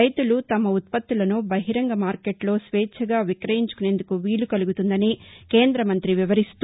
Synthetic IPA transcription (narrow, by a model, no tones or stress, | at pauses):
ɐjt̪ulut̪ɐmɐut̪̚pɐt̪ːulɐnubɐɦiɾɐŋɡɐmaːɾke̞ʈlo̞ːsʋeːt͡ʃʰɐɡaːʋikɾɐjiɲt͡ʃu̥kune̞ːnd̪ukuʋiːɭukɐluɡut̪und̪ɐnike̞ːnd̪ɾɐmɐnt̪ɾiʋiʋɐɾist̪